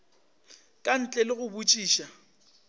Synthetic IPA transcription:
kʼan̩t͡ɬʼɛlɪɣʊbut͡ʃʼiːʃa

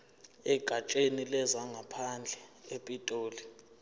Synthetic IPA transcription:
ɛɡ̥ʱat͡ʃʼenilɛzaŋʱapʰand͡ɮʱɛepʼitʼoːli

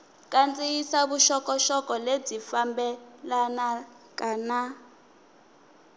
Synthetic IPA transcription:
kʼant͡sʼijisaβuʃɔkɔʃɔkɔled͡zifambɛlana | kʼana

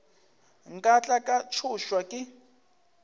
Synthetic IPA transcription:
ŋ̩kʼat͡ɬʼakʼat͡ʃʰʊʃwakʼɪ

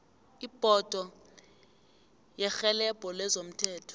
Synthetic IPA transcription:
ib̥ʱɔd̥ʱɔ | jɛxɛlɛb̥ʱɔlɛzom̩tʰɛːtʰɔ̥

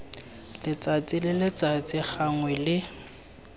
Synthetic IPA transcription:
lɪt͡sʼat͡sʼɪlɪlɪt͡sʼat͡sʼɪχaŋwɛlɪ

